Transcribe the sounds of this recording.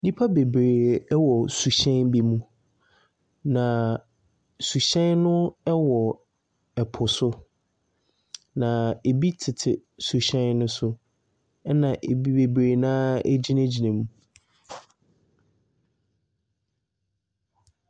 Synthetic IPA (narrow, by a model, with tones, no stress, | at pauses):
nĩ˦pʰa˦be˨bɾeː˨˦wɔ˨su˨ɕɛ̃˦nbi˦mũ˦ | nã˨ | su˨ɕɛ̃˦nnʊ̃˦ɛ˦wɔ˨ | ɛ˨pʰʊ˨sʊ˦ | nã˨e˨bi˦tʰɪ˨tʰɪ̰˨su˨ɕɛ̃˦nnʊ̃˦sʊ˦ | ɛ˦nã˨ʔe˨bi˦be˨bɾeː˨nãː˦e˦d͡ʑi˦næ̃˦d͡ʑi˨nɛ̃˨mũ˨